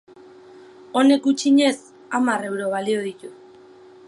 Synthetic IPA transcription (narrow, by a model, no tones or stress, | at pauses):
o̞ne̞kut͡ʃiɲe̞s | amare̞wɾo̞β̞alio̞ð̞it̪u